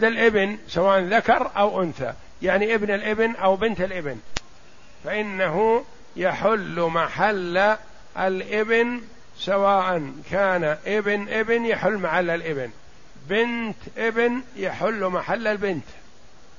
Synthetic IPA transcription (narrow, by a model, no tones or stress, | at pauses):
d̪alʔɪbnsawaːʔanðakɑɾˤʔawʔʊnθa̰ | jaʕniʔɪbnalʔɪbnʔawbɪnt̪alʔɪbɪn | faʔɪnːaɦʊ | jaħʊlːmaħalː | alʔɪbɪn | sawaːʔankʰaːnaʔɪbɪnʔɪbnjaħʊlːmaħalːalʔɪbɪn | bɪnt̪ʔɪbnjaħʊlːmaħalːalbɪnt̪